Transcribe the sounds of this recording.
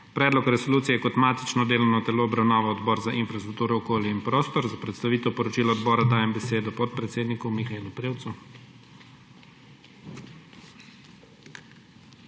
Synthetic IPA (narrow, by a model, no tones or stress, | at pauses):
pɾɛːd̪lɔkɾɛsɔluːt̪sijɛjɛkɔt̪maːt̪it͡ʃnɔd̪eːlɔnɔt̪ɛloɔbɾawnaːʋaɔd̪bɔːɾzaʔinfɾast̪ɾuk̚t̪uːɾɛɔkoːljɛinpɾoːst̪ɔɾzapɾɛt̪st̪aʋiːt̪ɛwpɔɾɔt͡ʃiːlaɔd̪bɔːɾad̪aːjɛmbɛseːd̪ɔpɔt̪̚pɾɛt̪seːd̪nikumixaelupɾeːwt̪su